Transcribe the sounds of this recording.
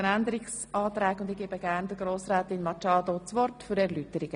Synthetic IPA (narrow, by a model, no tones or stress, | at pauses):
ənænd̪əɾɪks | ɑːt̪ɾɛːkʊnd̪ɪɡ̥eːbəɡ̥æːɾnd̪əɡɾoːsɾɛːt̪ɪnmɑt͡ʃɑːd̪ot͡sʋɔrtfʏɾɛɾlyːtəɾɪɡ̥ə